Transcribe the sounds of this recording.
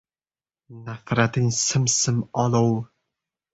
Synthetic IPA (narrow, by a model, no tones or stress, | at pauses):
nafɾat̪ɪŋsɨmsɨmɒlow